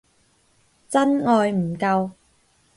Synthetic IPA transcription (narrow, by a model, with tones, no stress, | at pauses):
t͡sɐ˥nŋɔː˨˧jm̩˨˩kɐ˧w